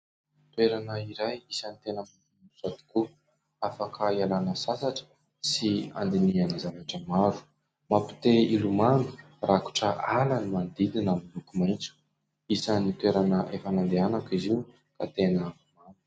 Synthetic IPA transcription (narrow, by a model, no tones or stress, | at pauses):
t̪weɾanəiɾajisənit̪enəm | unuz̥at̪i̥ku | afakʰaialanəsasaʈ͡ʂə̥ | sia̰nd̪inianizanaʈ͡ʂəmaɾu̥ | mapi̥t̪eilumanu̥ | raku̥ʈ͡ʂəʔalanimand̪id̪inamilukumajnt͡su̥ | isənit̪weɾanəʔefanand̪eanakiziu | ka̰t̪enə | manu̥